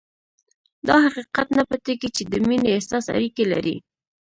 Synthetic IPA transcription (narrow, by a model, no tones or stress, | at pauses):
d̪ɑhaqiqat̪napət̪eɡit͡ʃed̪əmineesɑsa̰ɾikela̰ɾḭ